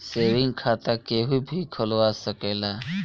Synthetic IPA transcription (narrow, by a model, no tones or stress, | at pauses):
seːʋɪŋɡkʰaːt̪akeːɦubʱiːkʰəlʋaːsəkeːlaː